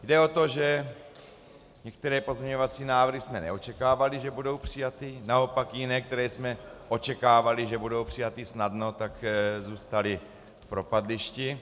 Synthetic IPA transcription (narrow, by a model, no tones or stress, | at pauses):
jdɛo̞t̪o̞ʒɛ | ɲɛkt̪ɛɾɛːpo̞zmɲɛɲo̞vat͡siːnaːvr̩ɦismɛnɛ̰o̞t͡ʃɛkaːvalɪʒɛbudo̞wpr̝̥ɪjat̪ɪnao̞pakjɪnɛːkt̪ɛɾɛːsmɛʔo̞t͡ʃɛkaːvalɪʒɛbudo̞wpr̝̥ɪjat̪ɪsnadno̞t̪akzuːst̪alɪ | fpɾo̞padlɪʃcɪ